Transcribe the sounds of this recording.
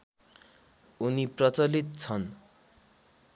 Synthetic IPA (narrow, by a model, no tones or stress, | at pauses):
uniprʌt͡sʌlit̪̚t͡sʰʌn